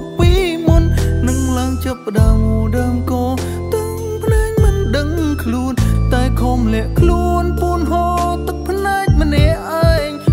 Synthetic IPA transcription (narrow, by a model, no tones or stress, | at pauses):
piːmunːɨŋlaəŋt͡ɕapːə̆ɗaəmɗaəmkɑː | t̪ɨ | ŋpʰlɛːŋmɨnɗəŋkʰluənt̪aɛkʰoːmlɛ̆əʔkʰluənpuənɦoːt̪ɨk̚pʰnaɛc̚mənɛəʔʔːaɛŋ